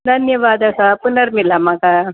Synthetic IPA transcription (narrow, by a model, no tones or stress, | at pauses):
d̪ʱənjəʋad̪asapunəɾmilamaka